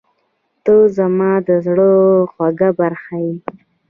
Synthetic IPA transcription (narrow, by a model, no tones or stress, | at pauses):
t̪ozamɑd̪əzɽoxwaɡabaɾxaji